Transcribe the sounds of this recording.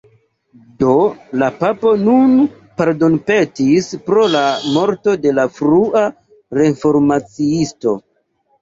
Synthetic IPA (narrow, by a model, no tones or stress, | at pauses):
do̞lapapo̞nun | paɾdo̞npe̞tispɾo̞lamo̞ɾto̞de̞lafɾuʔa | ɾe̞fo̞ɾmat͡siisto̞